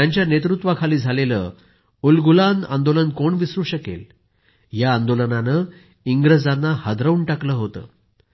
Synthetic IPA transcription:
aɲt͡ɕjanet̪ɾut̪ʋakʰaliːd͡zʱalelə̰ː | ulɡulana̰nd̪olənkoɳʋisɾuːɕəkḛl | ɦjaːnd̪olənanə | iŋɡɾəd͡zanːahəd̪ɾəuɳʈakləːɦot̪ə̰ː

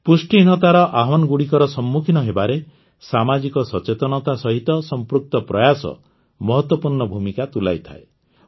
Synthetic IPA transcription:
pusʈin̤ɔt̪aɾɔʔaɦɔnɔɡuɽikɔɾɔsɔmːukʰinɔɦebaɾe | samad͡ʒikɔsɔt͡ʃet̪ɔnɔt̪asɔɦit̪ɔsɔmpɾuk̚t̪ɔpɾɔjasɔ̰ | mɔɦɔt̪wɔpuɾɳɔbʱumikat̪ula̰jt̪ʰa̰e

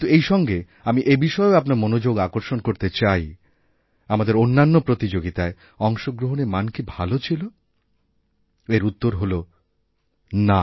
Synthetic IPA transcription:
it̪uejʃɔŋɡe | amiʔebiʃɔeoapnaɾmonod͡ʑoɡakoɾʃonkoɾt̪et͡ɕaj | amad̪eɾonːanːopɾot̪id͡ʑoɡit̪ae | ɔŋʃoɡɾoɦonemankibʱalot͡ɕʰilo | eɾut̪ːoɾɦolo | na

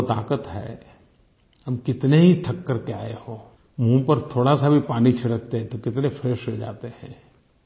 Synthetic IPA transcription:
ot̪a̰ːkət̪ɦɛ̰ː | hɐmkɪt̪neɦit̪ʰɐkːəɾkeaːehoː | mũːpəɾt̪ʰoːɽasabʱipaːnit͡ʃʰɪɽək̚t̪eɦɛ̃t̪okɪt̪nefʰeːʃɦed͡ʒa̰ːt̪ehɛ̰̃ː

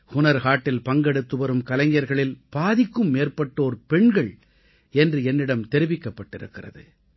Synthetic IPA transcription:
kʊnɐɾɣaːʈːɪlpɐŋɡɐɽɯt̪ːɯʋɐɾɯmkɐlɐŋɡɪjɐɾɣɐɭɪlb̥aːðɪkːɯmːeːrpɐʈːoːɾɯpɛɳɡɐɭ | ɛndrɯɛnːɪɽɐmt̪ɛɾɪʋɪkːɐpːɐʈːɪɾɯ̰kːɪrɐ̰ðɯ̰

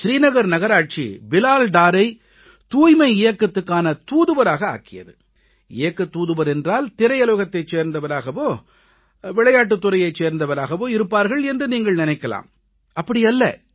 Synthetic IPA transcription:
ʃɾiːnɐɣɐɾnɐɣɐɾaːʈ̚t͡ʃḭbɪlaːlɖaːɾɐɪ | t̪uːjmɐɪɪjɐkːɐt̪ːɯkːaːnɐt̪uːðɯʋɐɾaːɣɐa̰ːkɪjɐ̰ðɯ | ɪ̰jɐkːɐt̪ːuːðɯʋɐɾɛndraːlt̪ɪɾɐjɐloːɣɐt̪ːɐɪt͡ʃːeːɾnd̪ɐʋɐɾaːɣɐʋoː | ʋɪɭɐjaːʈ̬ːɯt̪ːʊɾɐjɐɪt͡ʃeːɾnd̪ɐʋɐɾaːɣɐʋoːɪɾɯpːaːɾɣɐɭɛndrɯniːŋɡɐɭnɪnɐɪkːɐla̰ːm | ɐpːɐɽɪjɐlːɐ̰

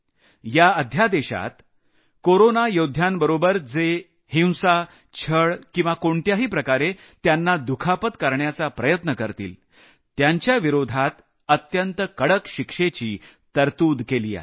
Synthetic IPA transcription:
jaəd̪ʱjad̪eɕa̰t̪ | koɾonajod̪ʱjambəɾobəɾd͡ze | hĩw̃sa | t͡ɕʰəɭkĩw̃ʋakoɳt̪jaɦiːpɾəkaɾe | t̪janːad̪ukʰapət̪kəɾɳjat͡sapɾəjət̪nəkəɾt̪ḭːl | t̪jaɲt͡ɕjaʋiɾod̪ʱat̪ | ət̪jənt̪əkəɽəkɕikʂet͡ɕiː | t̪əɾt̪uːd̪keliːa̰

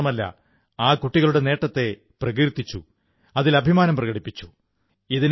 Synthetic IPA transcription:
ɐmɐlːɐ̰ | aːkuʈːiɣɐɭuɽene̞ːʈːɐt̪ːe̞ | prɐɣiɾt̪ːit͡ɕːṵ | ɐðilɐbʱimaːnɐmprɐɣɐɽipːit͡ɕːu̥ | iðin

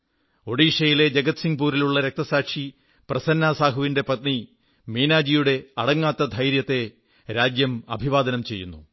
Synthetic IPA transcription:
o̞ɽiːʂɐjile̞d͡ʑeɡɐt̪siŋɡpuːɾiluɭːɐɾek̚t̪ɐsaːkʂi | prɐsɐnːaːsaːɦɐʋinde̞pɐt̪̚ni | miːnaːd͡ʑijuɽe̞ɐɽɐŋːaːt̪ːɐd̪ʱɐjɾjɐt̪ːe̞ | ɾaːd͡ʑjɐmɐ̰bʱiʋaːd̪ɐnɐmt͡ɕe̞jːunːṵ

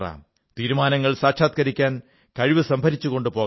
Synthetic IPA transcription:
ra̰ːm | t̪iːɾumaːnɐŋːɐɭsaːkɕʰaːt̪̚kɐɾikʲːaːn | kɐɻiʋɨsɐmbʱɐɾit͡ɕːuko̞ɳɖɨpo̞ː

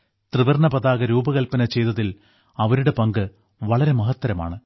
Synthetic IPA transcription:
t̪rɨʋɐrɳɐpɐðaːɣɐɾuːbɐɣɐlpɐnɐt͡ɕe̞jt̪ɐðil | ɐʋɐɾuɽe̞pɐŋɡɨ | ʋɐɭɐɾe̞mɐɦɐt̪ːɐɾɐma̰ːɳɨ

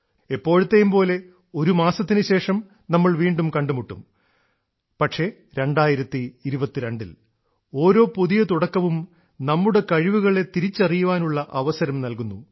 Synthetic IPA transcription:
epːo̞ːɻut̪ːejumpo̞ːle̞ | o̞ɾumaːsɐt̪ːinɨɕe̞ːʂɐm | nɐmːɐɭʋiːɳɖumkɐɳɖumuʈːum | pɐʈʂe̞ | ɾe̞ɳɖaːjiɾɐt̪ːiːɾubɐt̪ːiɾeɳɖḭl | o̞ːɾo̞ːpuðijɐt̪uɽɐkːɐʋum | nɐmːuɽe̞kɐɻiʋuɣɐɭe̞t̪iɾit͡ɕːɐrijuʋaːnuɭːɐʔɐʋɐsɐɾɐmnɐlkunːu

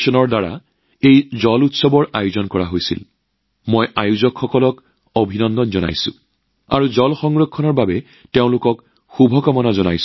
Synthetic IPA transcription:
sɔnɔɹdaɹa̰ | ejzɔlutsɔbɔɹajuzɔnkɔɹaɦojsḭl | mojʔajuzɔkxɔkɔlɔk | obʱinɔndɔnzɔna̰jsṵ̃ | a̰ɹuzɔlxɔŋɹokʰːɔnɔɹbabɛ | teʊ̃lʊkɔk | xubʱɔkamɔnazɔnajs

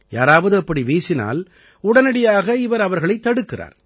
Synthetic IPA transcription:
jaːɾaːʋɐðɯɐpːɐɽiʋeːsɪna̰ːl | ʊɽɐnɐɽɐjaːɣɐɪʋɐɾɐʋɐɾɣɐɭɐɪt̪ːɐɽɯkːɪra̰ːɾ

